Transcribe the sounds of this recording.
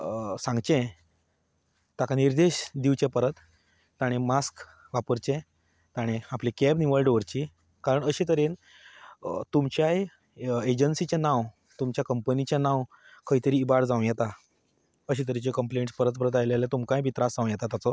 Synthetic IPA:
sãŋɡt͡ɕẽ | t̪akaniɾd̪eɕd̪iʋt͡ɕẽpəɾət̪ː | aɽ̃emask | ʋapəɾt͡ɕẽ | t̪aɽ̃ẽaplekɛbniʋəɭɖoʋəɾt͡ɕi | kaɾəɳəɕit̪əɾin | t̪umt͡ɕjaj | ed͡ʑənsit͡ɕenãw | t̪umt͡ɕjakəmpənit͡ɕãnãw | kəɦit̪əɾiːbaɾd͡zãw̃jɛt̪a | əɕit̪əɾit͡ɕekəmpleɳʈspəɾət̪̚pəɾət̪̬ajlalat̪umkãjbʱit̪ɾasd͡zãʋw̃jɛt̪at̪at͡sɔ

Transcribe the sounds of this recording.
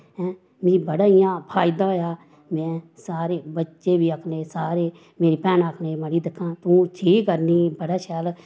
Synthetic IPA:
ɛ̃ː | mĩːbəɽaːɪjãːpʰaːɪd̪aːɦoːjaː | mɛ̃ːsaːɾeːbətːʃeːbiːəkʰneːsaːɾeː | meːɾiːpɛːnaːkʰneːməɽiːd̪ɪkʰːãːt̪ũːʈʰiːkːəɾniːbəɽaːʃɛːl

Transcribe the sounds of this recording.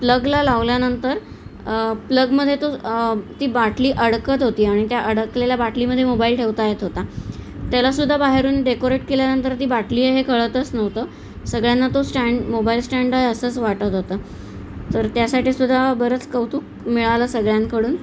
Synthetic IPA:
pləɡlalaʋljanənt̪əɾ | pləɡməd̪ʱjet̪ot̪iːbaʈliːʔəɽkət̪ɦot̪iːaɽ̃it̪jaʔəɽəkleljabaʈliməd̪ʱːjemobailʈʰeʋt̪ajet̪ɦot̪at̪jalasud̪ʱːabaɦeɾuːnɖekoɾeʈ̚keljanənt̪əɾt̪iːbaʈliːɦeɦekʰəɭət̪ət͡snəʋt̪əː | səɡɭjanːat̪osʈæɳɖmobailsʈaɳɖajəsəːt͡sʋaʈət̪ɦot̪əː | t̪əɾt̪jasaʈiːsud̪ʱːabəɾət͡skəwt̪uːk̚ | miɭalasəɡɭjãnkəɽuːn

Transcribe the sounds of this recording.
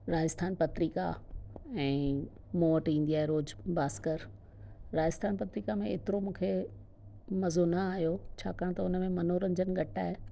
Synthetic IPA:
ɾaːd͡ʑəst̪ʰaːnpɐt̪ɾiːka̰ | ɛ̃ː | moːəʈĩːn̆d̪iaːɦeɾoːd͡ʑbaːskəɾ | ɾaːd͡ʑəst̪ʰaːnpɐt̪ɾikamẽeːt̪ɪɾomũːkʰe | mɐzonɐaːɦijot͡ɕʰaːkaːɽ̃t̪ɐʊnəmẽmɐnoːɾɐɲd͡ʑənɡʱɐʈa̰ːɦe

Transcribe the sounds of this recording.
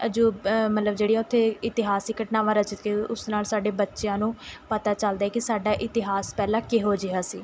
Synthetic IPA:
əd͡ʒuːmət̪ləbd͡ʒeːɽijaːʊt̪ʰːeːɪt̪ɪɦaːsiːkəʈnãːʋãːɾət͡ʃɪt̪keʊsnaːlsaːɖeːbətːʃɪjãːnũːpət̪aːt͡ʃəld̪aːɛkɪsaːɖaːʔɪt̪ɪɦaːspɛːlãːkeɦoːd͡ʒeaːsiː

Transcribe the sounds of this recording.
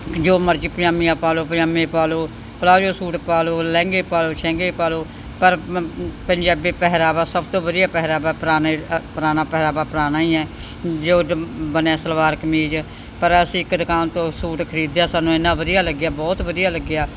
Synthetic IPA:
d͡ʒoːməɾd͡ʒiːpəɾãːmiːãːpaːloːpəjaːmẽːpaːloː | pəlaːd͡ʒoːsuːʈpaːloːlɛ̃ːŋɡeːpaːloːt͡ʃʰɛ̃ːŋɡeːpaːloː | pəɾpəɲd͡ʒaːbiːpɛɦɾaːbaːsəbt̪õːbəd̪ijaːpɛɦɾaːbaːpəɾaːnepəɾaːnaːpɛɦɾaːbaːpəɾaːnaːiːɛːd͡ʒoːbənɛ̃ːsəlʋaːɾkəmiːd͡ʒ | pəɾəsĩɪkd̪əkaːnt̪õːsuːʈkʰəɾiːd̪jaːsaːnːũːɪnːãːʋəd̪ijaːləɡjaːbɔːt̪ʋəd̪ɪjaːləɡːjaː

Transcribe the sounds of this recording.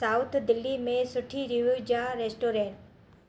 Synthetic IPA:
saːʊt̪ʰd̪ɪlːimẽsʊʈʰiɾiʋud͡ʒaɾeːsʈoːɾẽːɳʈ

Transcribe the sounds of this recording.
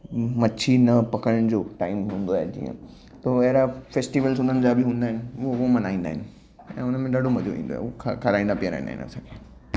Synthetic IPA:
mɐt͡ɕʰinɐpɐkəɽəɽ̃d͡ʑoːʈaːɪmɦũːn̆d̪oaːɦed͡ʑḭːə̰̃ | t̪oɐɦɾafesʈiʋəlsʊ̃nd̪ənɪ̆d͡ʑabʱɪɦũːnd̪aːɦɪnɪʊoʋomɐnaːĩːnd̪a̰ːɦɪnɪ̆ | ɛ̰̃ːʊnəmẽɗaːɖʱomɐd͡ʑoʋḭ̃ːnd̪o̰a̰kʰkʰɐɾaːĩnd̪apiəɾã̰ːĩnd̪a̰ɪ̰nə̰sãkʰeː

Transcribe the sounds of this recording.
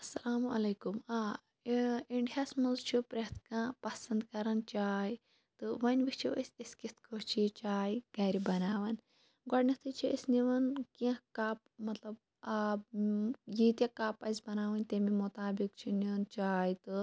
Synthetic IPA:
ɐsɐlaːmɐlekumaː | iɳɖijaːsmɐnzt͡ʃʰipɾɐt̪ʰkãːpɐsɐnd̪kɐɾɐnt͡ʃaːi | t̪ɨʋɐnʲʋit͡ʃʰiɐsʲiskit̪ʰkʰot͡ʃʰit͡ʃaːjɡɐɾibɐnaːʋɐn | ɡɔɽnit̪ʰɨt͡ʃʰiɐsʲniʋɐnkiãkaːp̚mɐt̪lɐb̚ | a | jit̪ʲjakaːpɐzʲbɐnaːʋɐnʲt̪emimut̪aːbik̚t͡ʃʰinint͡ʃaːjt̪ɨ

